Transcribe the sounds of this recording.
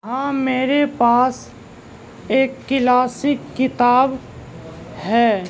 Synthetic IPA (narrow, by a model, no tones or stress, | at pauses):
ɦãːmeːɾepaːs | eːkːɪlaːsɪkːɪt̪aːb | hɛː